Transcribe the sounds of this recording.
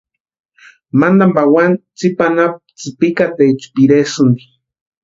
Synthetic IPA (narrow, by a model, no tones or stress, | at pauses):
mand̪ambawant͡sipanap̚t͡sipikat̪et͡ʃu̥piɾesund̪i